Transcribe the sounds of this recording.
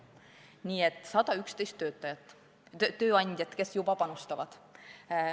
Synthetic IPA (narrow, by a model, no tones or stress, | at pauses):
nʲiːet̪sɑt̪ɑykst̪ejst̪ːøːt̪ːɑjɑt̪ | øt̪øːɑnʲd̪ʲjɑt̪kesjupɑpɑnost̪ɑʋɑ̰t̪